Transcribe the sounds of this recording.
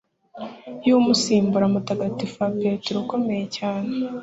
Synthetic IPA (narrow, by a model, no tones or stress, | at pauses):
jumusiːmbuɾamutaɡatifapetuɾuko̞me̞jecaːne